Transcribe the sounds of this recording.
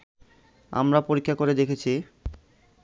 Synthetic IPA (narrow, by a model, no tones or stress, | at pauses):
a̰mɾapoɾikʰːakoɾed̪ekʰet͡ɕʰi